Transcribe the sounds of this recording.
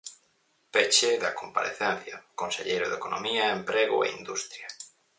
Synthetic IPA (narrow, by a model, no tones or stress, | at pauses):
pet͡ʃeðɐkompa̰ɾḛθɛn̟θjɐkonseʎejɾʊðekonʔomiɐempɾeɣʊ̰ḛind̪ust̪ɾja